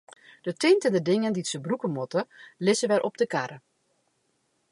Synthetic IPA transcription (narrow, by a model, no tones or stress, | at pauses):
d̥ətɪntəndədɪŋənditsəbrukəmɔtəlɪsəʋɛɾʔɔp̚dəkaɾə